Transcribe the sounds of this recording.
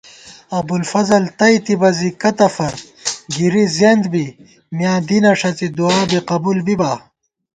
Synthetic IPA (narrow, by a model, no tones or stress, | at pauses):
ɐbulfɐzɐlt̪ɐit̪ibɐzikɐt̪ɐfɐɾ | ɡiɾizend̪bi | mjãːd̪inɐʂɐt͡sid̪uaːbiqɐbuːlbibaː